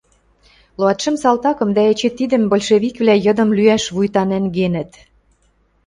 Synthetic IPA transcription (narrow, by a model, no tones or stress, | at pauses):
loɑt̪ʃə̆msɑlt̪ɑkɤ̆md̪æet͡ɕet̪ːid̪ə̆mbolʲʃeβikβlæjɤ̆d̪ɤ̆mlyæʃβujt̪ɑnænɡenə̆t̪